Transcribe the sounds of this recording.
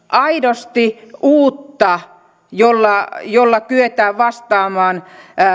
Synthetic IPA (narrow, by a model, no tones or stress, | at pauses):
ʔɑidost̪iuːt̪ːɑ | jolːɑjolːɑkyøt̪æːʋɑst̪ɑːmɑːn